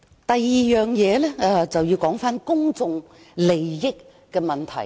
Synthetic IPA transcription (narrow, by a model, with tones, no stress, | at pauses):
t̪ɐ˨jːiː˨jœː˨˩ŋjɛː˨˧lɛ˥˧˩t͡sɐ˨wjiː˧wkɔː˨˥ŋfaː˥nkʊ˥ŋt͡sʊ˨˧ŋ | le˨˩jːɪ˥kː | ɛː˧mɐ˨˩nt̪ʰɐ˨˩j